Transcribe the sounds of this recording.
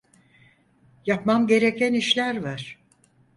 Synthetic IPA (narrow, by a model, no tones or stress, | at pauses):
japmamɟe̞ɾe̞cæniʃlʲæɾvaɾ̥